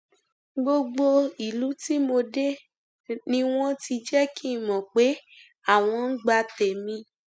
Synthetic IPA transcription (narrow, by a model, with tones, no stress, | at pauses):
ɡ͡bo˧ɡ͡bo˧i˨lu˨˦ti˦mo˧de˦ | nĩ˧w̃ɔ̃˦ti˧d͡ʒɛ˦ki˦˨mɔ̃˨k͡pe˨˦ | a˦˨w̃ɔ̃˧n̩˦ɡ͡ba˧tɛ˨mĩ˧